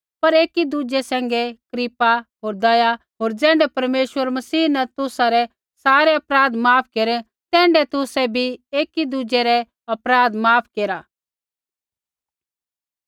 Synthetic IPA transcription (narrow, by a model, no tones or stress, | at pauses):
pɐɾeːkid̪ud͡ʒesɛ̃ːŋ̆ɡekɾipaɦoːɾd̪ɐja | ɦoːɾd͡ʒɛ̃ːɳɖɛpɐɾmeːʃwəɾmɐsiːnɛt̪ʊsaɾɛ | saːɾɛɐpɾaːd̪maːp̚ʰkeːɾɛ | t̪ɛ̃ːɳɖɛt̪ʊsɛbʱieːkid̪ud͡ʒeɾɛ | ɐpɾaːd̪maːpʰkeːɾaː